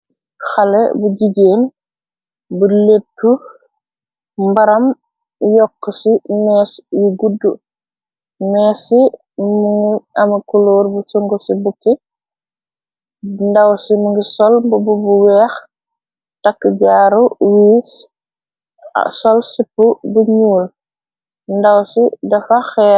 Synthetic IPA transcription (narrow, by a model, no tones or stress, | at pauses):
xalḛbuɟiɟeːn | buletːu | baɾɐm | jɔkːəsimɛːsjuɡudu | mɛːsi | muŋɡiamakuloːɾbusoŋɡusibuki | ndawsimuŋɡisɔlbububuwɛːx | takːəɟaːɾuwiːs | sɔlsipːubuɲuːl | ndawsidɐfaxɛː